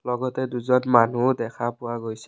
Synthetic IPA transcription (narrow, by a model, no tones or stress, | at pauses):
lɔɡɔtɛduzɔnmanudɛkʰapʊwaɡojsɛ̥